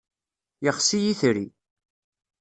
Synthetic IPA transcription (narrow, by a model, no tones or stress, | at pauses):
jəχsijiθɾi